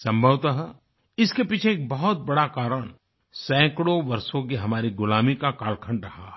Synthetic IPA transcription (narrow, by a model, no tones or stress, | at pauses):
sɐ̃mbʱəʋt̪aɦɛ | ɪskepiːt͡ʃʰeːk̚bɐɦʊt̪̚bɐɽakaːɾəɽ̃ | sɛ̃ːkɽoʋɐɾsõk̬iɦɐmaːɾiɡʊlaːmikakaːlkʰə̃ɳɖɾɐɦaː